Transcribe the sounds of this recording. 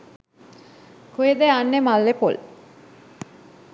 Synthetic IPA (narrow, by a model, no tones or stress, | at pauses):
kojed̪eanːemalːepo̰l